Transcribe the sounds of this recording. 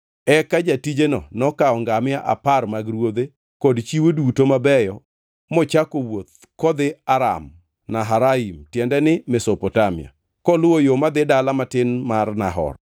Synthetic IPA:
ɛkad͡ʒatid͡ʒenɔnɔkaɔŋɡamɪaʔa̰parmaɡɾwod̪e | kɔdt͡ʃiwodutomabɛjɔ | mɔt͡ʃakowot̪̚ | kɔd̪ɪaɾa̰m | naɦaɾaimtjɛndɛnɪmɛsopɔtamɪ̰a̰ | kɔlʊwojomad̪ɪdalamatɪnmarnaɦɔ̰r

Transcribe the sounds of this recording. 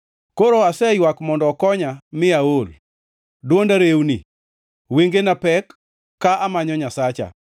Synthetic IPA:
koɾoasɛjwakmɔndɔkɔɲamɪaol | dwondaɾewnḭ | weŋɡenapɛkː | aʔamaɲɔɲasat͡ʃa̰

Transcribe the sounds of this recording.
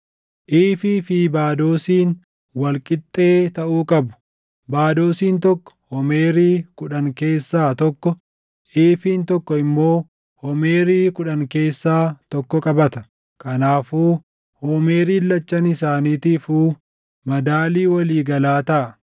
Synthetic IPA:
ʔiːfiːfɪbaːd̪o̞ːsiːn | wɐlkʼɪt̪ʼːe̞ːt̪ɐʔuːkʼɐbʊ̥ | baːd̪o̞ːsiːnt̪ɔkːɔ̥hɔmeːɾiːkʊᶑɐŋke̞ːsːaːt̪ɔkːɔ | ʔiːfiːnt̪ɔkːɔɪmːo̞ː | hɔmeːɾiːkʊᶑɐŋke̞ːsːaːt̪ɔkːɔkʼɐbɐt̪ɐ̥ | kɐnaːfuː | hoːmeːɾiːlːɐt͡ʃːɐnɪsaːniːt̪ɪfuː | mɐd̪aːliːwɐliːɡɐlaːt̪ɐʔɐ

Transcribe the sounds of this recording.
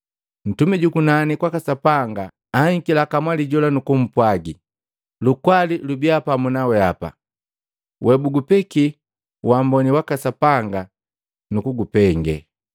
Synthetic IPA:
n̩tumɛɟukunanikwakasapaŋɡa | aiŋkilakamwaliɟɔlanukum̩pwaɡi | lukwalilubiapamunawɛapa̰ | wʔɛbuɡupɛki | wambɔniwakasapaŋɡa | nukuɡupɛŋɡɛ̰

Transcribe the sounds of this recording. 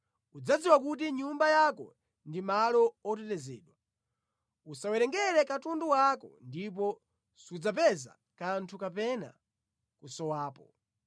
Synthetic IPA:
ud͡zad͡ziwak̬ut̬iɲumbajakɔ̰ | ndimalɔɔt̬ɛtɛzɛːɗwa | usawɛɾɛŋɡɛɾɛkatunduwakɔ̰ndip̬ɔ | sud͡zapɛza̰ | kantʰukapɛna̰ | kusɔwaːpɔ

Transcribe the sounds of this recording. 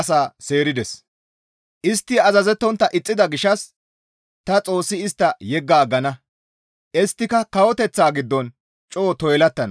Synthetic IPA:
saːseːɾɪd̪ɛs | ʔɪst̪ːɪɐzɐzɛt̪ːɔnt̪ːɐʔɪt͡sʼːɪd̪ɐɡɪʃɐs | t̪ɐt͡sʼo̞ːsːɪɪst̪ːɐjɛɡːaːɡɐnɐ | ʔɛst̪ːɪkɐkɐwɔt̪ɛt͡sːaːɡɪd̪ːɔn | t͡ʃʼoːt̪ɔjlɐt̪ːɐnɐ

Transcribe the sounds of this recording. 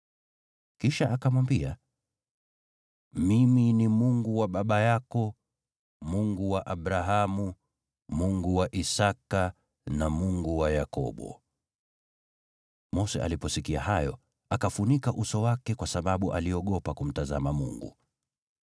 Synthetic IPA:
kiʃaʔakamwambia | miminimuŋɡuwaɓaɓajakɔ | muŋɡuwaʔaɓɾaɦamu | muŋɡuwaʔisaka | namuŋɡuwajakɔ̰ɓɔ̰ | mɔsɛ̰ʔa̰lipɔsikia̰hajɔ̰ | akafunikaʔusɔwakɛkwasaɓaɓuʔaliɔɠɔpakum̩taza̰mamṵŋɡṵ

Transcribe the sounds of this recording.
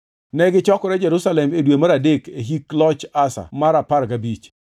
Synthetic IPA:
nɛɡɪt͡ʃɔkɔɾɛd͡ʒɛɾusalɛmedwemaɾadekeɦiklɔt͡ʃasa̰maɾapaɾkabit͡ʃ

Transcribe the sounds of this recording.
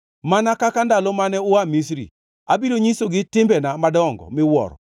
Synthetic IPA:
manakakandalɔmanɛʊamisɾḭ | abiɾoɲisoɡɪtɪmbɛnamadɔɔŋɡɔ̰mɪwɔ̰ɾɔ̰

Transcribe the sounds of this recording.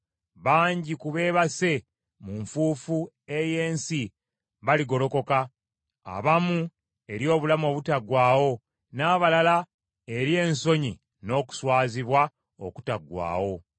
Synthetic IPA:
βaːɲɟikuβe̞ːβase̞ | muɱfuːfu | e̞je̞ːnsi | βaliɡo̞lo̞ko̞ka | a̰βamu | e̞ɾjo̞ːβulamo̞ːβutaɡwaːwo̞ | naːβalala | e̞ɾje̞ːnso̞ɲi | no̞ːku̥swaːziβwa | o̞̰ku̥taɡwa̰ːwo̞

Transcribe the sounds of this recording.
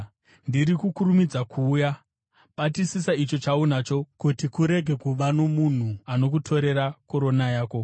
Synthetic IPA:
ndiɾikukuɾumid͡zakʰuːja | patisisait͡ʃo̞t͡ʃaunat͡ʃo̞kutikuɾe̞ɡʱe̞kuʋano̞mun̤uano̞k̬utʰo̞ɾe̞ɾako̞ɾo̞najaːko̞

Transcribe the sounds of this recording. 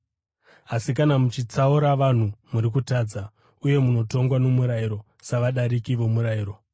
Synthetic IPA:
asik̬anamut͡ʃit͡sauɾaʋan̤umuɾik̬utaːd͡za | uje̞muno̞to̞ŋɡwano̞muɾaiɾo̞ | saʋaɗaɾikiʋo̞muɾaiːɾo̞

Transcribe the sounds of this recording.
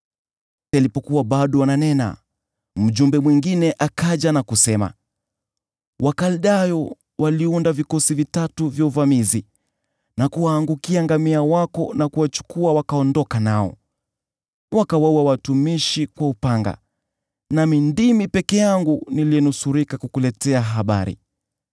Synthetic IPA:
tɛalipɔkuwaɓaɗɔananɛna̰ | m̩ʄumbɛmwiŋɡinɛʔakaʄanakusɛma̰ | wakaliɗajɔ | waliundavikɔsivitatuvjauvamizi | nakuwaːŋɡukiaŋɡamiawakɔnakuwat͡ʃu̥kuawakaɔndɔkanaɔ̰ | wakawauawatumiʃikwaupaŋɡa̰ | namindimipɛkɛjaŋɡuniliɛnusuɾikakukulɛtɛaɦaɓa̰ɾḭ

